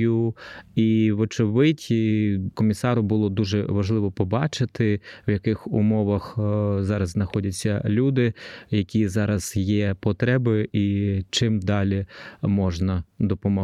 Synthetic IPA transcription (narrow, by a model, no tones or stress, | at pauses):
ʊiʋɔt͡ʃɔʋɪtʲkɔmʲisɑɾʊbʊlˠɔd̪uʒɛʋɐʒlˠɪʋɔpɔbɑt͡ʃɪt̪ɪwjɐkɪxʊ̰mɔʋɐxzɑɾɐzznɐxɔdʲɐt͡sʲːɐ̰lʲud̪ɪjɐkʲizɑɾɐz̥jɛpɔt̪ɾɛbɪit͡ʃɪmd̪ɑlʲimɔʒnɐd̪ɔpɔmɔ